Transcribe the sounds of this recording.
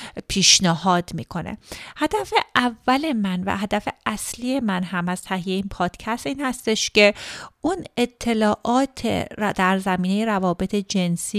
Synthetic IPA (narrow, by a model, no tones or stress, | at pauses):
pʰiːʃneɦɒːd̪mḭːkʰo̞nḛhæd̪æfeʔævːæle̞mænvæ̰ɦæd̪æfe̞æslije̞mænɦæmæz̥t̪ʰæɦijeeiːnpʰɒːd̪̥cʰæst̪iːnhæst̪e̞ʃce̞unet̪ʰːe̞lɒːʔɒːt̪ʰḛd̪̥æɾzæmiːnejeɾævɒːbe̞t̪ʰe̞d͡ʒe̞nsi